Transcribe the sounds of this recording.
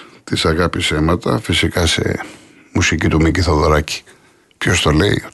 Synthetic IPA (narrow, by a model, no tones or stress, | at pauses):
t̪isɐɣɐpise̞mɐt̪ɐ̰fisikɐse̞̰ | musicit̪umiciθoðoɾɐci̥ | pço̞st̪o̞le̞ḭ